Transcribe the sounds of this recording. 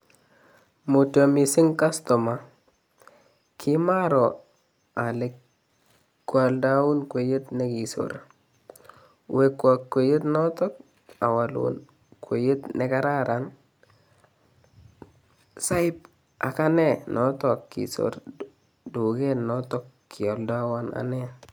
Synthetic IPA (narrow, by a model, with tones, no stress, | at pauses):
mo˨to˨mi˨si˦ŋka˦sto˨ma˨ | kʰi˦ma˦ɾo˨ | a˨le˨k | kːwa˨lda˦wu˦nkwe˨je˦tne˦ki˨so̰ɾa | we˨kːwa˨kːwe˨je˦tnɔ˦tɔ˦k̚ | a˨wa˨lṵn | kʰwe˨je˦tne˦ka˦ɾa˦ɾan | sa˦i˦p̚ | ʔa˨ka˦ne˦nʔɔ˦to˨kːḭ˨so̰ɾ | du˨ɡe˦nːɔ˦tɔ˦kː | i˨o˨lda˦wa˦na̰˨ne˦